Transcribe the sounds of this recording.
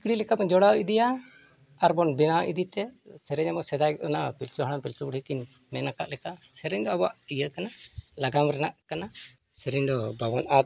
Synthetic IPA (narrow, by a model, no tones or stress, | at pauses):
ikɽilɛkamɛd͡ʒɔɽawid̪ijaː | ɾbɔnbɛnawʔid̪it̪ɛsɛɾɛɲamɔsɛd̪ajkʔɔnapilt͡ʃuɦaɽ̃apilt͡ʃubuɽ̤ikin | mɛnaka̰ʔlɛkasɛɾɛɲd̪ɔabɔa̰ʔijəkanalaɡamɾɛnaʔkana | sɛɾɛɲd̪ɔbʱabɔnat̪̚